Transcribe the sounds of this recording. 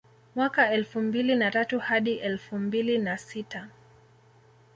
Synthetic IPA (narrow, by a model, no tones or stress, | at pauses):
mwakaɛlfumbilinatatuhaɗiʔɛlfumbilinasita